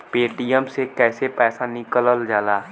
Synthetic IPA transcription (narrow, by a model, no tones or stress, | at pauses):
peːʈijəmsekɛːsepɛːsanɪkələld͡ʒaːlaː